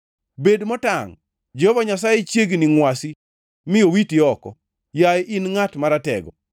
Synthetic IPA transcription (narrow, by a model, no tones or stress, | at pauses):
bedmɔtaŋ | d͡ʒɔvaɲasajet͡ʃjeɡniŋwasi | mɪjowitiɔkɔ̰ | jajʔinŋatmaɾatɛ̰ɡɔ̰